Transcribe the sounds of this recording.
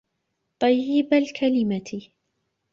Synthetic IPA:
t̪ˤɑjːɪbalkʰalɪmat̪ʰɪ

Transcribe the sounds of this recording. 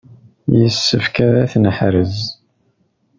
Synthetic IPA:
jəsːəfkæɾæθnəħɾəz

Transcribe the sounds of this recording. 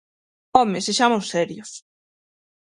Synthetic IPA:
ɔmeseʃamosɛɾjʊs

